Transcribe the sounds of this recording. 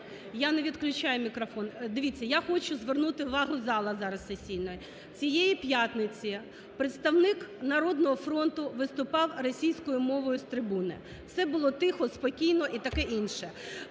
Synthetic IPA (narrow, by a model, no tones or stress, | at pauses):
janeʋʲid̪klʲʊt͡ʃajʊmʲikɾɔfɔnd̪ɪʋʲit͡sʲːɐjaxɔt͡ʃʊzʋernut̪ɪʊʋɑɦʊzɑlˠɐzɑɾɐssesʲijʲnɔjɪ | t͡sʲijejipjat̪nɪt͡sʲi | pɾet̪st̪ɐwnɪknɐɾɔd̪nɔɦɔfɾɔnt̪ʊʋɪst̪ʊpɑwrɔsʲijsʲkɔjʊmɔʋɔjʊst̪ɾɪbunɪ̰ | fsɛbʊlˠɔt̪ɪxɔspɔkʲijnɔʔit̪ɐkɛʔinʃɛ